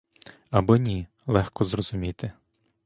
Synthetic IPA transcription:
ɐbɔnʲi | lˠɛxkɔzrɔzʊmʲit̪ɪ

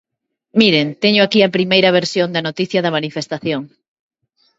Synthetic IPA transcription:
miɾent̪eɲʊakiɐpɾimejɾɐβ̞eɾsjond̪ɐnot̪iθjɐðɐmanifest̪aθjoŋ

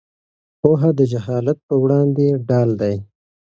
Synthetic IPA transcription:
poɦad̪əd͡ʒaɦɑːlat̪̚pəwɽɑnd̪eɖɑːld̪aj

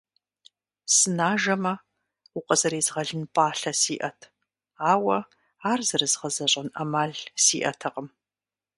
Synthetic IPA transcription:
sɨnaːʒɐmɐ | ʊqʼɐzɐɾeːzʁɐɮɨnpʼaːɬɐsiːʔɐtʰ | aːwɐ | aːrzɨrɨzʁɐzɐɕʼɐnʔɐ̰maːɮsiːʔɐ̰tʰɐqəm

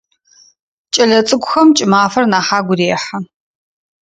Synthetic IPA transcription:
t͡ʃʼɐɮɐt͡sʼɨɡʷʼʊxɐmt͡ʃʼɪmaːfɐrnaːħaːɡʷʊɾeːħa

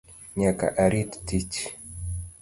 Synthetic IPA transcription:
ɲaka̰ʔaɾit̪t̪it͡ʃ

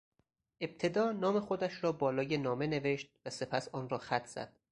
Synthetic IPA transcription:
ʔe̞b̥̚t̪ʰe̞d̪ɒːnɒːme̞xod̪æʃɾɒːbɒːlɒːjenɒːme̞ne̞veʃt̪̚væse̞pʰæsɒːnrɒːxæt̪ʰz̥æ̰d̪̥

